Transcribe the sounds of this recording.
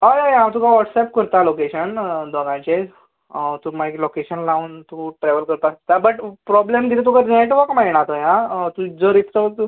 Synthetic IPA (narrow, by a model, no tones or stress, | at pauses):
ajajãmt̪ukãʋɔʈsɛp̚kəɾt̪alokeɕənd̪ɔɡãjt͡ɕe | t̪ũmaklokeɕənlauːnt̪ũʈɾɛʋəlkəɾt̪ast̪abəʈpɾɔblemd̪ilt̪ukaɾneʈʋəkmaɽ̃at̪əjɦãt̪ũd͡zəɾit̪ɾət̪u